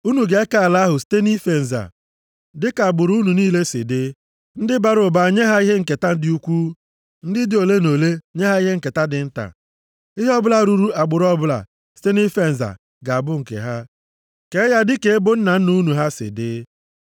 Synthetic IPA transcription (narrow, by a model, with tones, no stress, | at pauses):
u˦nu˨ɡe˦ka˦˨la˦ɦʊ˨ste˦ni˦fe˨n̩˨za̰˨ | dɪ˦ka˨a˨ɡ͡bʊ˨ɾu˦nu˨niː˦le˦sɪ̰˨dɪ˦ | n̩˦dɪ˦ba˨ɾʊ˨ba˨ɲe˦ɦa˦i˦ɦe˦ŋ̩˨ke˨ta˦n̩˦dɪ˦u˦kʷu˦ | n̩˦dɪ˦dɪ˦o˨le˦no˨le˦ɲe˦ɦa˦i˦ɦe˦ŋ̩˦˨ke˨ta˦dɪ˨n̩˦ta̰˨ | i˦ɦe˦ɔ˦bla˦˨ɾu˨ɾu˦a˨ɡ͡bʊ˨ɾɔ˦bʊ˦la̰˨ | ste˦ni˦fe˦n̩˨za̰˨ | ɡa˨a˨bʊ˦ŋ̩˨kḛ˨ɦa˦ | ke˨˦ja˦dɪ˦ke˨e˦bʊ˦n̩˦na˨n̩˦nu˦nu˨ɦa˦sɪ̰˨dɪː˦